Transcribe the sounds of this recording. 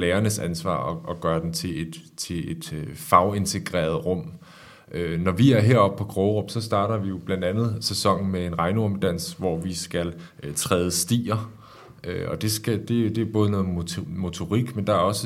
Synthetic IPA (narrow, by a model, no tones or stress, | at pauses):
leːɐnəsænsʋɑ̰̈ːɒ̽ɒ̽ɡ̥ɶːɐd̥emt͡sʰe̝ed̥t͡sʰe̝e̝d̥fɑ̈ʊe̝nt͡sʰeɡ̥ʁɛ̰ːɐð̞ˠʁɔ̽m̰ | ʔønɒʋiæɐɦe̝ɐ̰ɒ̽b̥̚pʰɒ̽ɡ̥ʁɔʊʁɔ̽m̥sɒ̽sd̥ɑ̈ːɾ̥ɐʋijo̝b̥lænd̥ænð̞̩ˠsesɒ̽ŋ̰n̩mee̝nʁɑ̈ɪnuɐməd̥æn̰sʋɒʋisɡ̥æl | t͡sʰʁɛːðˠəsd̥ḭːɐ | øɒ̽d̥e̝sɡ̥æd̥e̝d̥e̝æɐb̥ɔ̽ːð̞ˠənɔ̽ːð̩ˠmmo̝t͡sʰo̝ʁiɡ̥mend̥ɑ̈æɐɒ̽sə